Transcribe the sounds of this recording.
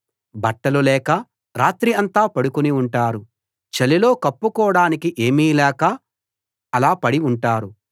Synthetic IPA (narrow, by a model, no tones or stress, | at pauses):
bɐʈːɐlulɛːkɐ | ɾaːt̪ɾiɐnt̪aːpɐɽukuniuɳʈaːɾu | t͡ʃelilo̞ːkɐpːukɔːɽaːnikiʔe̞ːmiːlɛːkɐ | ɐlaːpɐɽiuɳʈaːɾu